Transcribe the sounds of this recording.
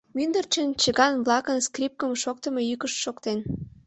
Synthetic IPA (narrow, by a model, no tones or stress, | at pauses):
mynd̪ərt͡ɕənt͡ɕəɣɑnβlɑkənskrʲip̚kəmʃokt̪ə̆mejykəʃʃokt̪en